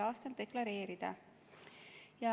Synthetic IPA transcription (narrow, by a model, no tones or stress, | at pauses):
ɑːst̪ɑnle̞klɑɾe̞ːɾid̪̥ɑ̰ | jɑ